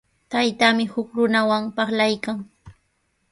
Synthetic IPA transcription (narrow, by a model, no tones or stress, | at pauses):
t̪ajt̪amɪhʊkɾʊnawaŋpɑχlajkaŋ